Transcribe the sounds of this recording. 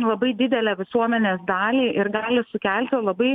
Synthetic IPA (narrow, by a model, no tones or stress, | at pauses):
lˠɐbɐɪd̪ʲɪd̪ʲɛlʲæːʋʲɪsuɔmʲɛnʲeːsd̪ɑːlʲiːʔɪɾɡɑːlʲɪsʊkʲælʲt̪ʲɪlˠɐbɐɪ